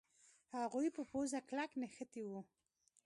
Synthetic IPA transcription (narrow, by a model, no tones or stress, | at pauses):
haɣujpəpozaklaknexət̪iwu